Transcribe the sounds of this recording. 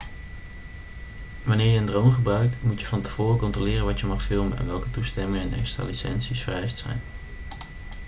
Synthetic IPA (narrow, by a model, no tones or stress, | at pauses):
ʋɑnɪːɹjəːndrowmχəbrœɥk̚tmutjəvɑntə̥v̥ʊːrəkɔntrolɪːrənʋɑtjəmɑχfɪlˠmənʔɛ̰nʋɛlˠkətustɛmɪŋəɛnʔɛ̰kstra̰ːlisɛ̰nsisfərɾɛjstsɛ̰jn